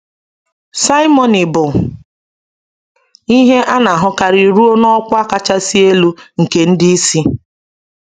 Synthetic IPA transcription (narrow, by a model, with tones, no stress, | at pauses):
sa˦i˦mɔ˨nɪ˨bʊ˨ | i˦ɦe˦ʔa˦na˨ɦʊ˦ka˨ɾi˨ɾu˦o˦nɔ˦kʷa˦ka˦t͡ʃa˦si˦e˦lu˦ŋ̩˨ke˨n̩˦dɪ˦i˦si˦